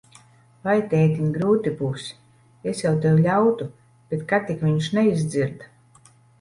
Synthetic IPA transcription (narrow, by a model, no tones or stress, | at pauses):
vajt̪ʲɛjt̪iɲɡɾuːt̪ibuːs | esjawt̪ewlʲawt̪u | b̥et̪kat̪ikvʲiɲʃnɛizd̪ziɾd̪